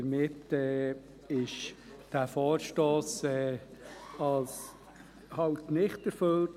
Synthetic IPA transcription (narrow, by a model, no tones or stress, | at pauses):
əɾmɪtɛː | ɪʃ | d̥æːfoːɾʃtoːsɛː | ɑls | hɑwtnɪχtəɾføl